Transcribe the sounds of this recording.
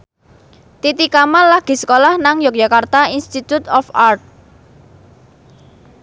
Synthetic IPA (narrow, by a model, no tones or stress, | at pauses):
t̪it̪ikamanlahɡ̥i̤sə̥kolahnaŋjɔk̚d͡ʒ̥a̤kart̪ainst̪it̪ut̪ɔfart̪̚